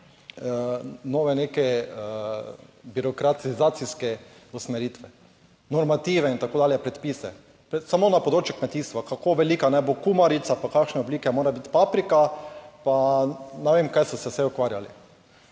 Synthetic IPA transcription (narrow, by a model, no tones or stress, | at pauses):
noːʋɛnekɛ | biɾɔkɾat̪izaːt̪siskɛ | usmɛɾiːt̪ʋɛ | nɔɾmat̪iːʋɛint̪akoːd̪aːljɛpɾɛt̪piːsɛ̰ | pɾɛsamonapod̪ɾoːt͡ʃjukmɛt̪iːst̪ʋakakoːʋɛliːkanɛbokumaɾit̪sapakakʃnɛɔbliːkɛmoːɾabit̪papɾikapanɛʋeːmkajsɔsɛsɛʊkʋaɾjalḭ